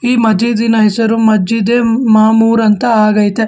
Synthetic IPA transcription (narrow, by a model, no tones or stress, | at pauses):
iːmɐd͡ʒid̪inɐɦɛsɐɾumɐd͡ʒid̪eːmaːmuːɾɐnt̪ɐaːɡɐjt̪e